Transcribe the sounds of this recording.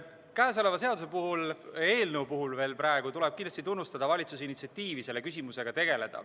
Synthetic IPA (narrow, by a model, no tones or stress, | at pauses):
kæːs̬o̞le̞vɑs̬e̞ɑd̪us̬e̞puɦule̞ːlnewpuɦulve̞ːlpɾɑe̞ɡ̥ut̪ule̞b̥̚kind̪lɑst̪it̪unːust̪ɑd̪̥ɑvɑlʲit̪sus̬einːit̪siɑt̪ːˑiːvise̞lːe̞kys̬ʲimuse̞ɡ̥ɑt̪e̞ɡ̥ele̞d̪̥ɑ̰